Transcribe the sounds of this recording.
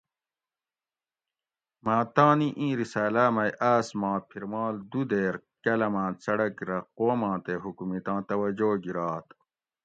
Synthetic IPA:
mãːt̪aːniʔĩːɾisaːlaːmɐjʔaːsmãːpʰiɾmaːld̪ud̪eːɾkɐlɐmãːt͡sɐɽɐkɾɐqoːmãːt̪eɦukmit̪ãːt̪ɐwɐd͡ʑoːɡiɾaːt̪

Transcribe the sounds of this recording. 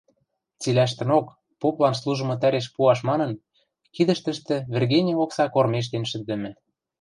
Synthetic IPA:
t͡silæʃ̬t̪ə̆nok | poplɑnslˠuʒɤ̆mɤ̆t̪æɾeʃ̬puɑʃmɑnɤ̆n | kid̪ə̆ʃt̪ə̆ʃt̪ɘ̆βʲĕrɣenʲioksɑkormeʃ̬t̪enʃɘ̆t̪̚d̪ɘ̆mɘ̆

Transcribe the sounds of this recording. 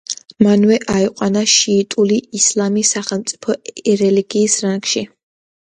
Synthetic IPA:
manwɛʔaiqʼwanaʃiːt̪ʼuliːslˠamisaχɛlˠmt̪sʼi̥pʰɔɛɾɛliɡiːsɾaŋɡʃi

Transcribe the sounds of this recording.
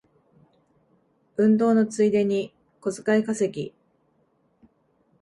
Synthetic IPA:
ɯ̟̃nd̪o̞ːno̞t͡sɨid̪e̞ɲ̟i | ko̞zɨkaikase̞kʲi

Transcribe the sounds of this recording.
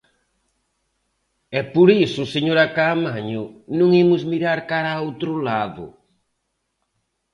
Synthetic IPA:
ɛpoɾisʊseɲoɾakamaɲʊnũŋimʊzmiɾaɾkaɾaowt̪ɾʊlaðʊ̰

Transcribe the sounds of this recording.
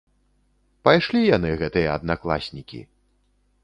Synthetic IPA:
pajʂlʲijanɨɣɛt̪ɨjɐɐd̪naklˠa̰sʲnʲikʲḭ

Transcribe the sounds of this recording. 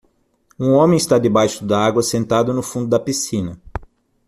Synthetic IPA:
ũõmẽj̃ɪst̪ad̪ɪbajʃʊd̪ɐaɡwɐsẽnt̪ad̪ʊnʊfũnd̪ʊd̪ɐpisĩnɐ

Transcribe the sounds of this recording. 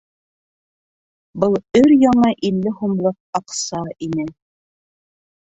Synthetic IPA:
bɤlˠɵɾjɑɴɑʔilːɘhumlˠɤq̚ɑqsɑʔinɘ

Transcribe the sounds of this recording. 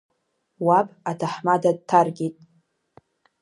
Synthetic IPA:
wapʼatʰaħmadad̚tʰarɡʲitʼ

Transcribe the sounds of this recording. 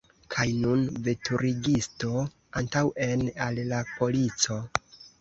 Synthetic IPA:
kʰajnunve̞tʰuɾʔiɡisto̞ | antawʔe̞nalːapo̞lit͡so̞

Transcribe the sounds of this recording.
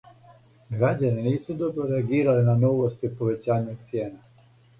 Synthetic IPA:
ɡɾaɟaninɛsud̪ɔbɾɔɾɛaɡiɾalinanɔvɔst̪ɔipɔvɛt͡ʃaɲɛɔt̪̚t̪sijɛna

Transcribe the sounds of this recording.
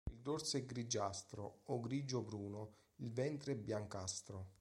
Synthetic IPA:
ild̪orsɛɡɾid͡ʒast̪ɾoːɡɾiːd͡ʒobɾuːno | ilvɛnt̪ɾeɛbːjaŋkast̪ɾo

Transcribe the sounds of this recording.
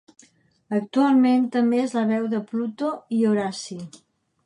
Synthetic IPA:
ək̚t̪ualˠment̪əmbeezləβɛwðəplut̪oioɾasi

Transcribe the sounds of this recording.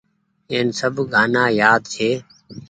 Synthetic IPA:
eːnsəbʱɡʱaːnaːjaːd̪t͡ʃʰeː

